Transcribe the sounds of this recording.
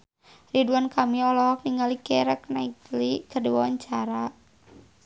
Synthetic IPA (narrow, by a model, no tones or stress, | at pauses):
riduankamiɔlɔk̚niŋalikɛɾəknait̪likərdiwawaɲt͡ʃaɾa